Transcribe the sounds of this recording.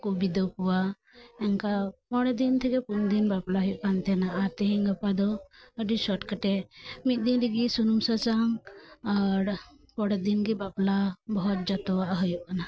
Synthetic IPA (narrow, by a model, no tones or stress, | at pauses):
kubid̪ɔwkuwa | ɛŋkamɔɽɛd̪int̪ʰɛɡɛpund̪inbaplaɦəjuʔkant̪ɛnaʔat̪ɛɦĩŋɡəpad̪ɔəɖisɔʈkəʈɛmit̪̚d̪inɾiɡisunumsət͡ʃaŋaɾ | pɔɽɛd̪inɡibaplabɔɦɔt̪̚d͡ʒat̪ɔwaʔɦəjuʔkana